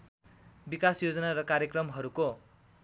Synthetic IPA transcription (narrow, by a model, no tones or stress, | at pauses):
bikasjod͡zʌnaɾʌkaɾjekrʌmɦʌɾuko